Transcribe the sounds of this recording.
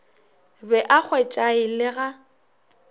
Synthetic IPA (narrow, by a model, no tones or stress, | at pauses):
bɛʔak͡xʰwɛt͡ʃʼaɪlɪɣa